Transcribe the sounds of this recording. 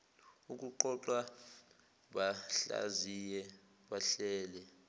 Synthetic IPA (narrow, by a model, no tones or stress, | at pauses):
uk̬ʼuǃɔǃwa | ɓaɬa̰zijɛ | ɓaɬɛːlɛ